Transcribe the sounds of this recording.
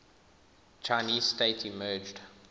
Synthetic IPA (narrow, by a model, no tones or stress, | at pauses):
t͡ʃʰaɪniːzsteɪtʰimɜːd͡ʒd